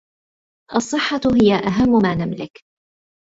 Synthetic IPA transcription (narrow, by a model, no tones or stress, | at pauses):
ʔɑsˤːɨħːɑɦɪjaʔaɦamːʊmaːnamlɪk